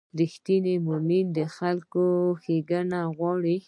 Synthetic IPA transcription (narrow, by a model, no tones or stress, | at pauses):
ɾixt̪inemomind̪əxalkoxeɡənaɣwɑɽi